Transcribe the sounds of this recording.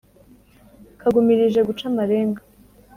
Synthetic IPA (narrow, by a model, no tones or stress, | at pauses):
kʰaɡumiɾiʒe̞ɡut͡ʃamaɾe̞ːŋɡa